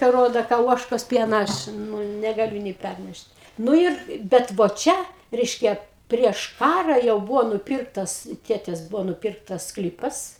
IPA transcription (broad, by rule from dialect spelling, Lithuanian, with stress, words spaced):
kɐ ˈroːdoː kɐ ˈuɔʃkoːs ˈpʲiɛnɐ ˈɐʃ nʊ nʲɛɡɐˈlʲʊ nʲeː ˈpʲærʲnʲɛʃt ˈnʊ ɪr ˈbʲɛt ʋoː ˈt͡ʃʲɛ ˈrʲɛɪʃʲkʲɛ pʲrʲiɛʃ ˈkɑːrɐ jɛʊ ˈbʊʋoː nʊˈpʲɪrktɐs ˈtʲeːtʲeːs ˈbʊʋoː nʊˈpʲɪrktɐs ˈsklʲiːpɐs